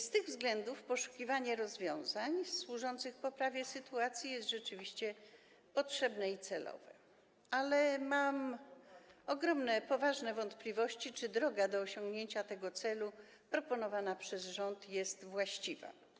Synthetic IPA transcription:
st̪ɘɣvzɡlɛnd̪ufpɔʂu̥kʲivaɲɛɾɔzvʲjɔ̃w̃zaɲswuʐɔnt̪sɘxpɔpɾavʲjɛsɘt̪uat̪sʲjijɛst̪ʐɛt͡ʂɘvʲiɕt͡ɕɛ | pɔtʂɛbnɛit̪sɛlʔɔ̰vɛ̰ | alɛmam | ɔɡɾɔmnɛpɔvaʐnɛvɔnt̪plʲivɔɕt͡ɕit͡ʂɘd̪ɾɔɡad̪ɔːɕɔŋɡɲeɲt͡ɕat̪ɛɡɔt̪sɛlu | pɾɔpɔnɔvanapʂɛzʐɔnt̪jɛst̪vwaɕt͡ɕiva̰

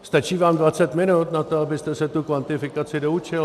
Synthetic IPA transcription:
st̪at͡ʃiːvaːmdvat͡sɛt̪mɪnut̪nat̪oabɪst̪ɛsɛt̪ukvant̪ɪfɪkat͡sɪdo̞ut͡ʃɪl

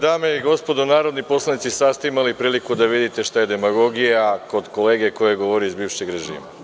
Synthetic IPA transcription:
d̪aːmeiɡo̞spo̞d̪onaːɾo̞d̪nipo̞slˠanit̪sisast̪eimalipɾiːlikud̪aʋid̪it̪e̞ʃt̪aje̞d̪e̞maɡo̞ɡijako̞d̪ko̞le̞ːɡe̞ko̞je̞ɡo̞ʋoɾiizbiːʋʃe̞ɡɾe̞ʒḭːma

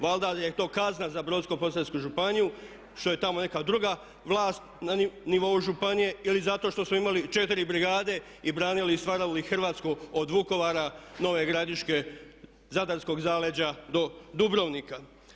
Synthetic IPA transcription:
ʋalˠd̪ad̪jet̪o̞ːkaznazabɾo̞d̪skopo̞saskuʒupaniju | ʃt̪o̞je̞t̪amo̞ne̞kad̪ɾuɡa | ʋlˠaːst̪naniʋo̞uʒupanije̞ilizat̪o̞ʃt̪o̞smoimalit͡ʃe̞t̪iɾibɾiɡaːd̪e̞ | ibɾaːniliːst̪ʋaːɾalixrʋaːt̪skuod̪ʋuko̞ʋaːɾano̞ʋe̞ɡɾad̪iʃke̞ | zad̪aɾsko̞ɡzaːle̞d͡ʑad̪o̞d̪ubɾo̞ʋnika

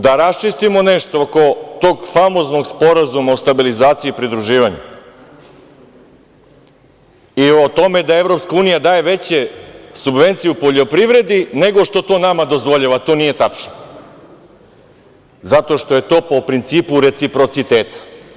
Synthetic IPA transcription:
d̪aɾast͡ʃist̪imo̞ne̞ʃt̪oko̞t̪o̞ːɡfamo̞zno̞ɡspo̞ɾazumaost̪abilizaːt̪siiːpɾid̪ɾuʒiːʋaɲu | io̞t̪o̞me̞d̪ae̞vɾo̞pskauːnijad̪aːje̞ʋe̞t͡ɕe̞subʋe̞nt̪sijeupo̞ʎo̞pɾiʋɾe̞d̪ine̞ɡo̞ʃt̪o̞t̪o̞ːnamad̪o̞zʋo̞ʎaʋat̪o̞nije̞t̪at͡ʃno | zat̪o̞ʃt̪o̞je̞t̪o̞ːpo̞pɾint̪siːpuɾe̞t̪sipɾo̞t̪sit̪e̞ːt̪ḁ

